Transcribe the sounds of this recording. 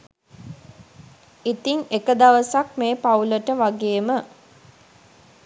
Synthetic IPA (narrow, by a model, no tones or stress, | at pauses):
it̪iŋekəd̪aʋəsak̚meːpauləʈəʋaɡeːmə